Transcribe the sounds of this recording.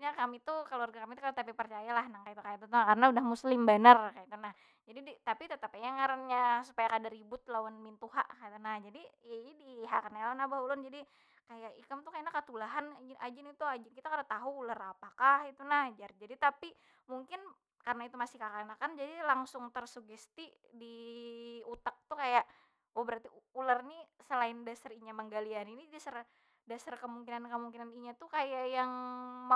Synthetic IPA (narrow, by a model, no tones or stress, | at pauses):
ɲakamit̪ukaluarɡakamit̪ukalt̪apipərt͡ʃajalahnaŋkait̪ukajat̪ut̪unakarnaudahmuslɪmbanarkait̪unah | d͡ʒadidit̪apit̪ət̪apajaŋaɾənɲasu̥pajakadaɾibʊt̪lawanmint̪uɦa̰ʔkait̪unahd͡ʒadijadiɦakanalawanabaɦulʊnd͡ʒadi | kajaʔikamt̪ukainakət̪ulaɦand͡ʒnad͡ʒɪnit̪uad͡ʒɪnkit̪akanat̪aɦuːlarapakahit̪unahd͡ʒard͡ʒadit̪api | muŋkɪn | karənait̪umasɪhkakanakand͡ʒadilaŋsʊŋt̪ərsuɡɛst̪i | di | ut̪ak̚t̪ukajaʔ | wabəɾart̪iularnisəlaɪndasariɲaməŋɡalianinidasar | dasarkəmuŋkinankəmuŋkinaniɲat̪ukajaʔjaŋma